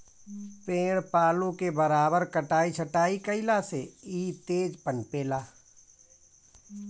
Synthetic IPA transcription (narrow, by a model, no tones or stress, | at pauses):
pẽːɽpaːlõkebəɾaːbəɾkəʈaːit͡ʃʰəʈaːikəɪlaseiːt̪eːd͡ʒpənpeːlaː